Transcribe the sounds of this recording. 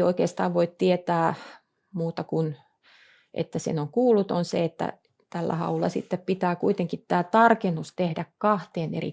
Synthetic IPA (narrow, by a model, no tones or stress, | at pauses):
oikeːst̪ɑːʋʋoit̪t̪iet̪æː | muːt̪ɑkun | ʔḛt̪ːæsḛnoŋkuːlːut̪onsḛet̪ːæ̰ | t̪ælːæ̰hɑ̰ulːɑ̰sḭt̪ːeppit̪æːkuit̪eŋkit̪t̪æːt̪ɑrkenːust̪ehdækkɑht̪eːnḛrḭ